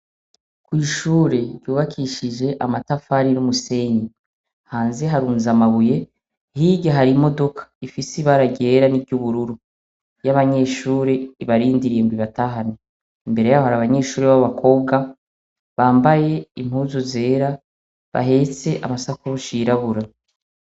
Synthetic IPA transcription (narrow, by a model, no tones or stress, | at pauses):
kwiːʃuːɾe̞ɾɟuːβakʰiʃiʒe̞ʔamatafaɾiɾumuse̞ɲi | haːnze̞ɦaɾuːnzamaβuje̞ | hiːɟaɦaɾimo̞do̞kʰḁifisiβaɾaɟeːɾanibɟuβuɾuɾu | jaβaɲe̞ːʃuːɾeiβaɾiːndiɾimbiβataɦane | imbe̞ɾe̞jaːβohaɾaβaɲe̞ːʃuːɾeβaββakʰo̞ːbɡa | βaːmbaje̞im̥huːzuze̞ːɾa | βa̰ɦe̞t͡se̞ʔa̰masakuɾuʃiːɾaβuɾa